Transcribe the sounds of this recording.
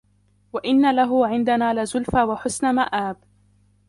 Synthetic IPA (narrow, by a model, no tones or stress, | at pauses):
waʔɪnːalaɦʊʕɪnd̪anaːlɪzʊlfaːwaħʊsnamaʔaːb̚